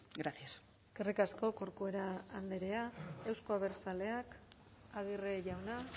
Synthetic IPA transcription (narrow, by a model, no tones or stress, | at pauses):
ɡɾasias | kerikasko̞ko̞ɾkue̞ɾaːnd̪eɾe̞ae̞wsko̞aβe̞ɾt͡sale̞ak | aɣ̞ireʝawna